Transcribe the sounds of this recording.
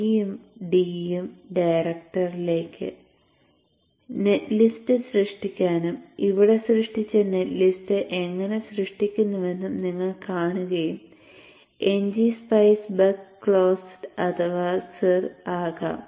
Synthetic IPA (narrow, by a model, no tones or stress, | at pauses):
jumɖijumɖɐjɾɐk̚ʈɐrile̞ːkʲʰːɨ̰ | netlistɨsrɨʂʈikʲːaːnumiʋiɽe̞srɨʂʈit͡ɕːɐne̞tlisʈɨʔe̞ŋːɐne̞srɨʂʈikʲːunːɐʋe̞nːumniŋːɐɭkaːɳuɣɐjum | e̞ɲd͡ʑispɐjsbɐkːɭoːsɐt̪ʰɐʋaːsɐraːɣɐ̰